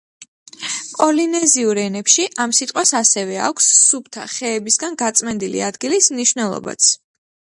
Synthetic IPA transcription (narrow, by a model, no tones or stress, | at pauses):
pʼɔlinɛziuɾɛnɛpʃiʔamsit̪ʼqʼwasasɛvɛa̰kʷʰsːup̚t̪ʰa̰χɛːbisɡanɡat̪sʼmɛnd̪ilḭad̪ɡilismniʃwvnɛlˠɔ̰ba̰t̪sʰ